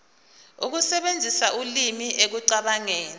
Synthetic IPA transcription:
uk̬usɛɓend͡zʱisaʔulimiʔek̬uǀaɓaŋeːni

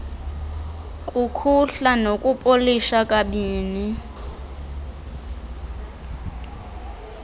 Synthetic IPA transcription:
kʼukʰuɬanokʼupʼoliʃakʼaɓiːni

